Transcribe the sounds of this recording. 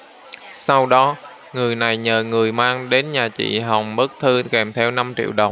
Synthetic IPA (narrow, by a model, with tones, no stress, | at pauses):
sa˧wɗɔ˨˦ | ŋɨ˨˩əjna˨˩jɲəː˨˩ŋɨ˨˩əjmaː˧ŋɗe˨˦nɲaː˨˩t͡ɕḭ˧˨ɦa˨˩wŋ͡mɓɨ˦˥k̚t̪ʰɨ˧kɛ˨˩mt̪ʰɛ˧wna˧mt͡ɕḭ˧˨wɗə˨˩wŋ͡m